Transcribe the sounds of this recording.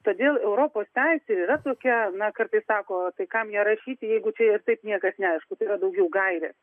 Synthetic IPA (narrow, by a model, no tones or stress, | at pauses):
t̪oːd̪ʲeːlˠɛʊɾoːpoːst̪ʲæɪsʲɪɾiːɾɐt̪oːkʲɛnɐkɐrt̪ɐɪssɑːkoːt̪ɐɪkɐmjɛɾɐʃʲiːt̪ʲɪjɛɪɡʊt͡ʃʲɛɪrt̪ɐɪpnʲiɛkɐsnʲɛɐɪʃkʊt̪ɐɪːɾɐd̪ɐʊɡʲɛʊɡɐɪɾʲḛs